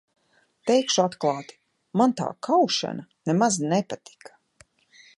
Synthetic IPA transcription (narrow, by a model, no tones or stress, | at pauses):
t̪ɛjkʃuat̪klˠɑːt̪i̥ | mant̪a̰ːkʰawʃa̰nanemaznɛpat̪i̥kʰḁ